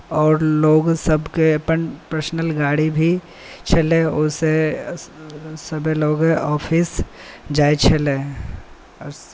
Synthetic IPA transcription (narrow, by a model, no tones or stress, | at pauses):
ɔːɾloːɡsɐbkepənpəɾsnəlɡaːɽibʱi | t͡ʃʰɐlẽʊse | sɐbʱeloːɡeʔɔːfʰɪsd͡ʒaːet͡ʃʰɐlẽ | ɔɾ